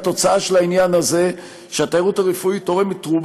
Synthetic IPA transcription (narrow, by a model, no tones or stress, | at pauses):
t̪o̞t͡saaʃelainjanaze̞ | ʃeat̪aʁutaʁefuito̞ʁemitʁub